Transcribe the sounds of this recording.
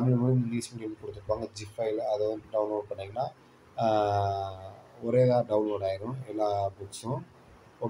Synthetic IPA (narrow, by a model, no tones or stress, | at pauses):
ɐmɪlmuːmniːsmɪʈɐkːkɔɽɯt̪ːɯɯpːaːŋɡɐd͡ʒɪfɐɪlɐðɐʋɐɖɐʋʊnloːɖpɐɳːeŋɡɐnːaː | ɔɾeːðaːɖɐʊnloːɽaːjɪɾɯ̃mɛlːaːbʊksʊ̃ | ɔk